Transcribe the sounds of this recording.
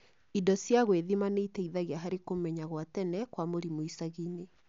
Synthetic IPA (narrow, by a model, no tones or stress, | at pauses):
idɔsjaɣweðimaneitɛiðaɣeaɦaɾekomɛɲaɣwatɛnɛkwamoɾimoisaɣine